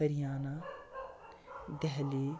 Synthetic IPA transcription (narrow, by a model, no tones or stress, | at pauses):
əɾijaːna | d̪ɛɦli